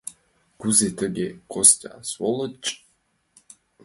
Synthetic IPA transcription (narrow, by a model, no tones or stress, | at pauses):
kuzet̪əɡʲekʰosʲtʲa̰swolˠɤt͡ʃʼ